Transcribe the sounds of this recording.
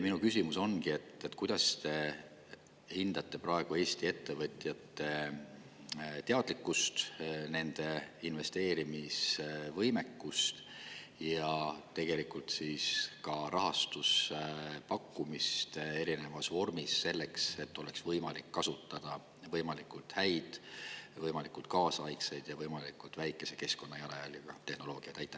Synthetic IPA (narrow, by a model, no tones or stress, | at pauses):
minukysimuso̞nɡ̥ie̞t̪ːˑet̪kujd̪̥ɑst̪e̞ | hind̪̥ɑt̪ˑːe̞pɾɑe̞ɡ̥ue̞ːst̪ie̞t̪ːe̞vɤt̪ʲˑjɑt̪ːe̞ | t̪eɑd̪̥likːˑust̪ne̞nd̪̥e̞inve̞st̪e̞ːɾimisvɤjme̞kːust̪ | jɑt̪e̞ɡe̞likˑult̪siːskɑɾʔɑɦɑst̪us | pɑkːumist̪e̞ɾine̞vɑsvo̞rmisːe̞lːe̞kse̞t̪ːo̞leksvɤjmɑlikːɑsut̪ˑːɑd̪̥ɑ | vɤjmɑlikˑult̪hæjd̪̥vɤjmɑlikult̪̚kɑːsɑjksejd̪̥jɑvɤjmɑlikːult̪væjkːˑe̞se̞̥ke̞sko̞nːɑjɑlɑjɑ̰ljɑɡ̥ɑt̪e̞hno̞lo̞ːɡ̥iɑt̪æjt̪ːˑɑ